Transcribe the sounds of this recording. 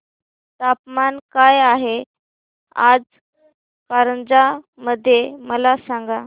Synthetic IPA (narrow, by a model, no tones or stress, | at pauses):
t̪apmankajaɦe | a̰d͡z | kaɾənd͡za | məd̪ʱːjeməlasãŋɡa